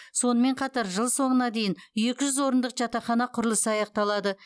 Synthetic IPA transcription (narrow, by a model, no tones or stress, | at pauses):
so̞nəme̞ɴqʰɑt̪ɑɾʒəlˠso̞ɴənɑd̪e̞jɪnje̞kʲɪʒʏzwo̞ɾənd̪əqʒɑt̪ɑχɑnɑqʰʊɾəlˠəsəɑjɑq̚t̪ɑlˠɑd̪ə